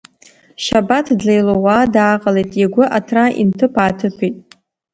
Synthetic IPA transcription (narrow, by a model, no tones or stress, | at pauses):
ʃabatʰdlejlowaːdaːqʼalejtʼeɡʷʊʔatʰraḭntʰɨpʰaːtʰɨpʰijtʼ